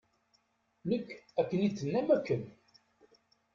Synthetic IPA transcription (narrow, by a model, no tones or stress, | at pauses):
nəkːækːənit͡sːənːæmækːən